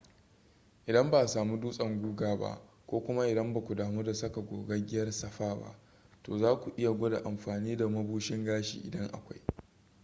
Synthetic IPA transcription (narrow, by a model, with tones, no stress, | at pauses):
ʔɪ˨dɐ˦mba˨saː˨mu˦duː˦sʼɐ˨ŋɡʷuː˦ɡaː˦˨ba̰˦ʔ | kʷoː˦kʷʊ˦ma˦ʔɪ˨dɐ˦mba˨kʷu˨daː˨mu˦da˨sɐ˦ka˨ɡʷoː˨ɡɐ˦ɡʲɪ˦jɐ˦rsɐ˨ɸaː˦ba̰˦ʔ | to̰ː˨zaː˦kʷu˨ʔɪ˦ja˨ɡʷo˦da̰˨ʔa˨mɸaː˨niː˦da˨mɐ˦buː˦ʃɪ˦ŋɡaː˦ʃḭː˨ʔɪ̰˨dɐ˦ŋʔa̰˨kʷa˦j